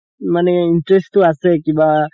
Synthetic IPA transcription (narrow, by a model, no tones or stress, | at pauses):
maneiɳʈɾesʈuɐsekiba